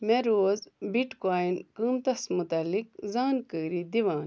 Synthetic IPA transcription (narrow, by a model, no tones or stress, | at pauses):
meɾoːzbiʈkaːjnkəːmt̪ɐsmut̪ɐlikzaːnkəːɾid̪iʋaːn